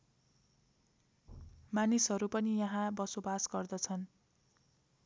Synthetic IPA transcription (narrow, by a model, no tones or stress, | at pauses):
manisɦʌɾupʌnijʌɦãbʌsobasɡʌrd̪ʌt͡sʰʌn